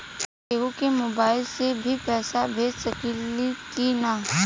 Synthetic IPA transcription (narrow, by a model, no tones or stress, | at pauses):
eːukemoːbaːɪlsebʱipɛːsabʱeːd͡ʒsɐklikina